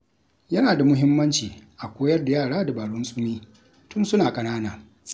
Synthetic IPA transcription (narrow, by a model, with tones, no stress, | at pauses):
jɐ˦naː˨da˨mʊ˦ɦɪ˦mːɐ˦nt͡ʃiː˨ʔa˨kʷoː˦jɐ˦rda˨jaː˦˨ɽaː˦da˨baː˨ɽʊ˦nsʼʊ˦miː˦ | tʊ˦nsʊ˦naː˨kʼɐ˨naː˦naː˨